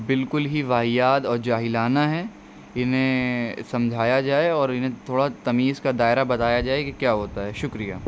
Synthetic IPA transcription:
bɪlkʊlɦiʋaːɦijaːd̪ɔːɾd͡ʒaːɦɪlaːnaɦɛː | ɪnɦẽsɐ̃md͡ʒʱaːjad͡ʒaːeɔːɾɪnɦẽt̪ʰoːɽat̪ɐmiːzkad̪aːɪɾabɐt̪aːjad͡ʒaːekikjaːɦoːt̪aɦɛʃʊkɾija̰ː

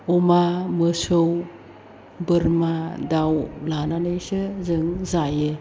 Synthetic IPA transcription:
ɔmamɯsɯw | bɯɾmadawlananɯjsɯzɯŋzajɯ

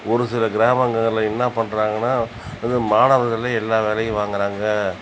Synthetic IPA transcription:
ɔɾɯsɪlɐɡɪɾaːmɐŋɡɐŋɡɐɾlɐɪnːapɐɳɾaːŋɡɐnːaː | ɐðɯmaːnɐʋðɐlɐɛlːaːʋeːlɐjɯ̃ʋaːŋɡɪɾaːŋɡɐ

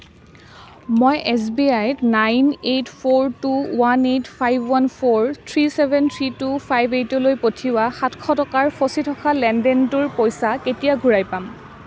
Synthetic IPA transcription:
mojʔɛs̬biajtnajnetpʰoɹtuwanetpʰajbʱwanpʰoɹtʰɹisɛbʱɛntʰɹitupʰajbʱetɔlojpotʰiwaxatkʰɔtɔkaɹpʰositʰɔkʰalɛndɛntuɹpojsaketijaɡʱuɹajpam

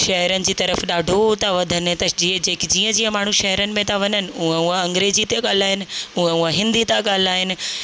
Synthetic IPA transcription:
ʃɐɦɛɾənɪ̆d͡ʑiːt̪ɐɾəfɗaːɖʱot̪aʋɐd̪ʱənɪt̪ɐd͡ʑĩd͡ʑeːkɪd͡ʑiːə̃d͡ʑiːə̃maːɳ̤uʃɐɦɛɾənɪ̆mẽt̪aʋɐɲənɪ̆uẽuə̃ɐ̃ŋɡɾeːd͡ʑit̪eɠaːl̤aːɦɪnɪ̆uə̃uãɦɪ̃nd̪it̪aɠaːl̤aːɦɪnɪ̆

